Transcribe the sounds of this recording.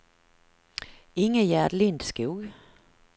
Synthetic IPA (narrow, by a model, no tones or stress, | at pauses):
ɪŋːəjæːɖ̪lɪnd̪skuːɡ